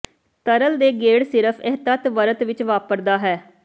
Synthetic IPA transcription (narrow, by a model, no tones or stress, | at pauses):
t̪əɾəld̪eːɡeːɽsɪɾəpʰɛɦt̪ət̪ʋəɾət̪ʋɪt͡ʃʋaːpəɾd̪aːɦɛː